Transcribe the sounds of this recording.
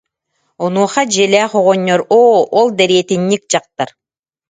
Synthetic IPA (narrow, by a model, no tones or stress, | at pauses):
ɔnuɔχad͡ʑɛlʲɛːχɔʁɔɲːɔɾoːɔlˠd̪ɛɾiɛt̪iɲːik̚d͡ʑaq̚t̪aɾ